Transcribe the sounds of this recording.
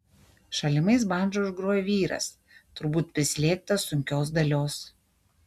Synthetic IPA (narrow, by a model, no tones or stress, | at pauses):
ʃɐlʲɪmɐɪs̬bɑˑnʲd͡ʒoʊʒɡɾuɔjɛʋʲiːɾɐ̰s | t̪ʊɾbuːt̪̚pʲɾʲɪsʲlʲiɛk̚t̪ɐsʊŋʲkʲoːs̬d̪ɐlʲoːs